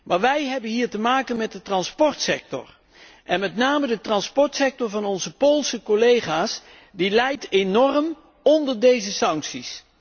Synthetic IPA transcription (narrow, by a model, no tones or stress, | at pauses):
maːɹʋɛjɦɛbənɦiːɹtəmaːkənmɛt̚dətrɑnspɔɹtsɛk̚tɔ̰ɹ | ʔɛnmɛtnaːmədətrɑnspɔɹtsɛk̚tɔɹvɑnɔnzəpolˠsəkolejχaːs | dilɛjtenɔrəm | ɔndəɹdejzəsɑŋksis